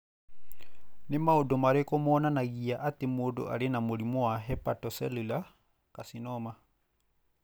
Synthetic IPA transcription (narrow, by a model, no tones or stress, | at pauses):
nemaodomaɾekomɔnanaɣiaʔatemodo̰ʔaɾenamoɾimɔwaɦɛpatɔsɛlula | kasinɔma